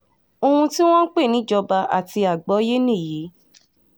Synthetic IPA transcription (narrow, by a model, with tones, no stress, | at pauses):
o˧hũ˧ti˦w̃ɔ̃˦n̩˦k͡pe˦˨nĩ˨˦d͡ʒɔ˧ba˧a̰˨ti˧a˨ɡ͡bɔ˨˦je˦nĩ˦˨ji˨˦